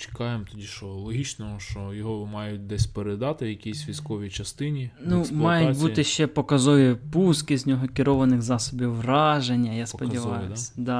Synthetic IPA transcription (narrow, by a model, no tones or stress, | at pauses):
t͡ʃɪ̥kɑjemt̪ʊdʲiʃɔlˠɔɦʲit͡ʃnɔɦɔʃt͡ʃɔjɔɦɔmɑjʊt̚ʲd̪ɛsʲpeɾed̪ɑt̪ɪjɐkʲisʲʋʲijskɔʋʲit͡ʃɐst̪ɪnʲinuslmˠɑjʊtʲb̪ʲut̪ɪʃt͡ʃɛpɔkɐzɔʋʲipuskɪzʲnʲɔɦɔkʲɪɾɔʋɐnɪxzɑsɔbʲiwːrɑʒenʲːɐjaspɔdʲiʋɑjʊsʲɐ̥d̪ɑ